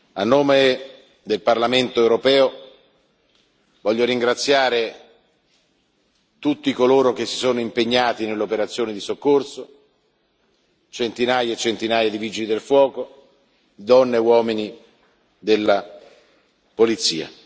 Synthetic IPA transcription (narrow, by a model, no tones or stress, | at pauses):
anːoːme | d̪elparlament̪oewɾopɛːo | vɔʎːoɾiŋɡɾat̪sːjaːɾe | t̪ut̪ːikoloːɾok̟esːi̥soːnoimpeɲːaːt̪inelːeopeɾat̪sːjoːnid̪isokːorso | t͡ʃent̪inaːjaet͡ʃːent̪inaːjad̪iviːd͡ʒilid̪elfwɔːko | lid̪ɔnːewɔːmini | d̪elːa | polit̪sḭːa̰